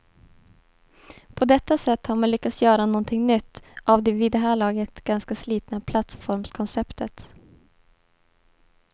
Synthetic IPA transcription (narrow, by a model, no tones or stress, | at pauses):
pʰɔd̪ɛt̪ːasɛt̪ːhaɾmanlʏkːat̪sjœːɾanɔnt̪ʰɪŋnʏt̪ːʔavd̪ɛviːd̪ɛɦæːɭɑːɡət̪ɡ̥anskasliːt̪napʰlat̪sfɔɾmskʰɔnsɛpt̪ʰət̪